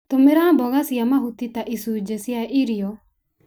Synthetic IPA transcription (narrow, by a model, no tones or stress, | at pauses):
t̪omeɾabɔɣasiamaɦut̪it̪aʔisud͡ʒɛsiaʔiɾiɔ